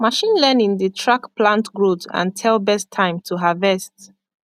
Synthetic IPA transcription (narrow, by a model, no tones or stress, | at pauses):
maʃĩnlɛnĩnðətʰɹakplãntɡɹotã̰ntʰɛlˠbɛstʰːãɪ̃mtʰuɦavɛst